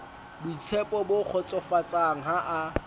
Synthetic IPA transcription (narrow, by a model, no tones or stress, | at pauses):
buit͡sʰɛpʼɔbok͡xʰɔt͡sʼɔfat͡sʼaŋ̩ɦaʔa